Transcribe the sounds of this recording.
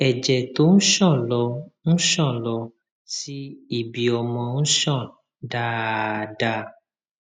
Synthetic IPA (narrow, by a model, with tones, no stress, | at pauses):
ɛ˨d͡ʒɛ˨to˨˦n̩˦ʃɔ̃˦˨lɔ˧ñ̩˦ʃɔ̃˦˨lɔ˧ | si˦i˦˨bi˨ɔ˨mɔ̃˨n̩˦ʃɔ̃˦˨ | da˦da˧